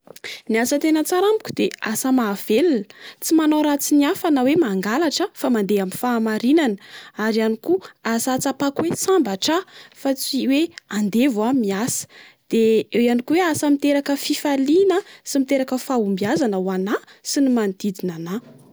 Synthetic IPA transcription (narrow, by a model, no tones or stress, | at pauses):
niasət̪enət͡saɾamikʲu̥d̪̥easəmaːv̥elinə̥t͡simanawɾat͡siniafanawemaŋɡalaʈ͡ʂəfamand̪eaminfaːmaɾinanəaɾianikuasat͡sapakuwesambaʈ͡ʂafat͡siweand̪evamiasə̥ | d̪̥eewianikuweasəmit̪eɾakəfifalinəsimit̪eɾakəfaumbiazanəwanasinimand̪̥id̪inana